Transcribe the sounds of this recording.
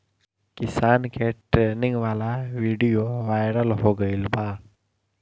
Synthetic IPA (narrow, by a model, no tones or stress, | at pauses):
kɪsaːnkeʈɾenɪ̃ŋɡʋalaʋiɖijoʋaːjɾəlɦoɡəilba